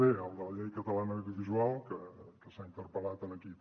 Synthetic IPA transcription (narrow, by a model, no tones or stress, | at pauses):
eəlˠd̪ələʎɛjkət̪əlanəːwðiuβizualˠkəkəsaint̪əɾpəlat̪ənəki